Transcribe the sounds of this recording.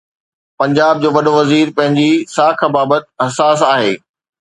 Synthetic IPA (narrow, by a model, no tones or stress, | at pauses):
pɐ̃ɲd͡ʑaːb̚d͡ʑoːʋɐɗoʋɐziːɾpɐ̃ɦɪ̃ɲd͡ʑisaːkʰãbaːbət̪̚ɦɐsaːs̬aːɦeː